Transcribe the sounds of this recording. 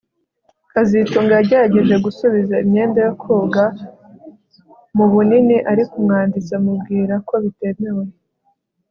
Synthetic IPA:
kazituːŋɡaɟeɾaɟe̞ʒe̞ɡusuβizaimɲe̞ːndajokʰuːɡa | muβuniniʔaɾikumŋaːndit͡samubɡiːɾako̞βite̞me̞we

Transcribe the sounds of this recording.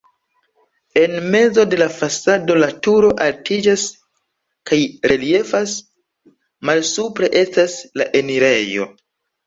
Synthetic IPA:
e̞nme̞zo̞de̞lafasado̞latuɾo̞ʔaltʰid͡ʒas | kajɾelie̞fas | malsupɾe̞ʔe̞stasla̰ʔe̞niɾe̞jo̞̰

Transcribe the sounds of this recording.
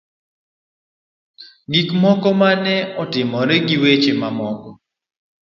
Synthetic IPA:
ɡikmɔkɔmanɛɔtɪmɔɾɛɡiwet͡ʃemamɔkɔ

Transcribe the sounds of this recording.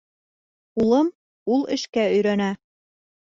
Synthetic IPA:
ulˠɤm | ulˠɘ̆ʃkæɵ̆jɾænæ

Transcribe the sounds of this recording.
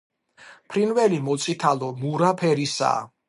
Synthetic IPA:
pʰɾinvɛlimɔt̪sʼit̪ʰalɔmuɾapʰɛɾisa̰ː

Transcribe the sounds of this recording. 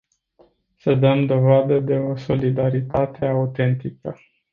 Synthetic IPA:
səd̪əmd̪o̞vad̪əd̪e̞o̞so̞lid̪aɾit̪at̪e̞aut̪e̞nt̪ikə

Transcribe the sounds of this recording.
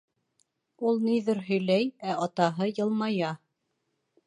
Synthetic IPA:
ulˠniðɘɾɦɵ̆jlæjæʔɑt̪ɑɦɤjɤ̆lˠmɑjɑ

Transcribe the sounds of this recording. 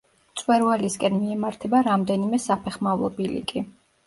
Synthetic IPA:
t̪sʼwɛɾvaliskʼɛnmiɛmaɾt̪ʰɛbaɾamd̪ɛnimɛsapʰɛχmavlˠɔbilḭkʼi

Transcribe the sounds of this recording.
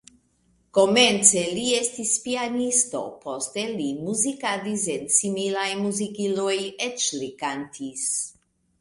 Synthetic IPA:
ko̞ment͡se̞liest̪ispianisto̞̰pʰost̪elimuzikadis̬ensimilajmuzikilojet͡ʃlikantʰis

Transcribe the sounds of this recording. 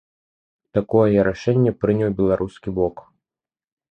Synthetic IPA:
t̪akɔjjɛɾaʂɛnʲːɛpɾɨnʲɐwbʲɛlˠaɾʔuskʲibɔk

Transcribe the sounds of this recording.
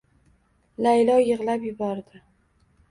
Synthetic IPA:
lajlɒjɨʁlapjʊbɒɾd̪ɪ

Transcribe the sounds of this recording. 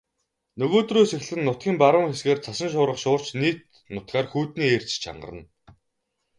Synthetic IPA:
nɵɣoːt̪ruːjsex̆ɮɘ̆nːʊt̪̚ɡʲiːmpaɾʊːŋxesɡeːrt͡sʰasə̆nʃ̬ʊːɾʁə̆χʃʊːr̥t͡ɕniːt̪ | nʊt̪̚ɢaːrxuːt̪niːeːr̥t͡ɕt͡ɕʰa̰ɴɢə̰̆rə̰̆n

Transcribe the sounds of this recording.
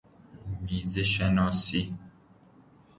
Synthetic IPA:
mizeʃɛnɔ̃si

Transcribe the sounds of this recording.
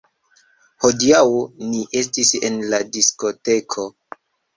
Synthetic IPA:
ho̞diawniʔe̞s̬tise̞̰nladisko̞te̞kʰo̞

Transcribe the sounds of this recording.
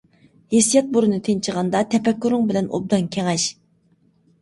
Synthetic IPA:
hesijɛt̪̚buɾɨnɨt̪ʰent͡ʃʰəʁɑnd̪ɑt̪ʰɛpɛkʲːyɾɪŋbɪlɛno̰b̚d̪ɑnkʲʰeŋɛʃ

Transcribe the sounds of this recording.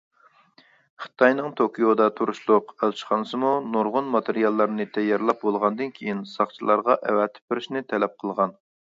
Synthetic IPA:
χə̥t̪ʰɑjnɨŋt̪ʰokʰijod̪ɑt̪ʰuɾuʃlˠʊqælt͡ʃʰχʰɑnsɨmunoɾʁʊnmɑt̪ʰeɾijɑlˠːɑɾnɨt̪ʰɛjːɑɾlˠɑp̚bolˠʁɑnd̪ɨnkʲʰejinsɑχt͡ʃʰilˠɑɾʁɑʔɛwɛt̪ʰɪ̥p̚bɪɾɪʃnɪt̪ʰɛlɛp̚qʰəlˠʁɑn

